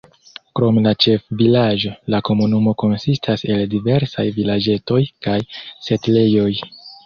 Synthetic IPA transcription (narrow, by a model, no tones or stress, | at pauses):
kɾo̞mlat͡ʃe̞fvilaʒo̞lako̞munumo̞ko̞nsistʰase̞ldive̞ɾsajvilad͡ʒe̞to̞jkajse̞tle̞jo̞j